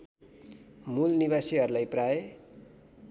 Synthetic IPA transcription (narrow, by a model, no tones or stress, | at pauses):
mulniβasiɦʌɾulajprae